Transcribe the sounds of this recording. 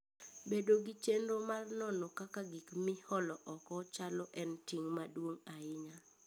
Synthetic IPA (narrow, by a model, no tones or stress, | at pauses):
bedoɡit͡ʃenɾomarnɔnɔkakaɡikmɪhɔlɔʔɔkɔt͡ʃalɔʔɛntiŋmadwoŋaɪɲa